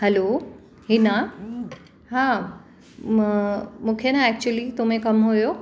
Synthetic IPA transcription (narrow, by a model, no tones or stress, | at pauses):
hɛlo | ɦina | ɦa | mũːkʰenaɛk̚t͡ɕuəlit̪omẽkɐmɦujo